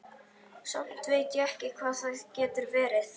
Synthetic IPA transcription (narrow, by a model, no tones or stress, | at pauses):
sɔmt̪veːjt̪jʏɛhcɪkʰvaːθaðcɛːt̪ʏɾvɛːɾɪθ